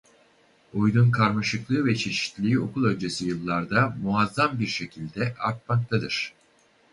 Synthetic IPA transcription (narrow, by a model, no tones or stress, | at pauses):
ujd̪unkʰaɾmaʃɯklˠɯːvɛt͡ʃʰe̞ʃi̥t̪lʲiːo̞kʰulˠø̞nʲd͡ʒe̞sijɯlˠːaɾd̪amuazːambiɾʃe̞cʰilʲd̪ɛʔaɾt̪̚mak̚t̪ʰad̪ɯɾ̥